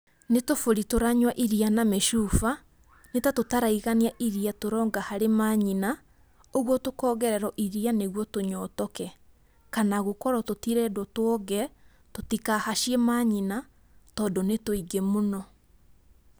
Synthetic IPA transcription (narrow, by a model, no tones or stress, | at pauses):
netofoɾitoɾaɲwaʔiɾianamɛʃuːfa | netatotaɾaiɣaniaʔiɾiatoɾɔːŋɡahaɾemaːɲina | oɣwɔtokɔːɣɛɾɛɾɔʔiɾianeɣwɔtoɲɔːtɔkɛ | kanaɣokɔɾɔtotiɾɛdwɔtwɔɣɛ | totikahaʃiemaɲina | tɔːndonetoiɡemonɔ